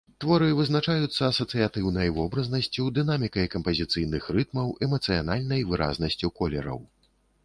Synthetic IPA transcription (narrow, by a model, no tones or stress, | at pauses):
t̪vɔɾɨvɨznat͡ʂajut̪sːɐːsɐt̪sɨjat̪ɨwnɐjvɔbɾɐznɐsʲt͡sʲid̪ɨnamʲikɐjkɐmpɐzʲit̪sɨjn̪ɨxrɨt̪mɐwʔɛmɐt̪sɨjanalʲnɐjvɨɾʔa̰znɐsʲt͡sʲikɔlʲɛ̰ɾɐ̰w